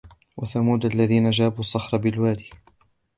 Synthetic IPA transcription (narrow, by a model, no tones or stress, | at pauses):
wʔaθamuːd̪ʔalːaðiːnad͡ʒaːbuːsˤːɑħɾˤɑbɪlwaːd̪iː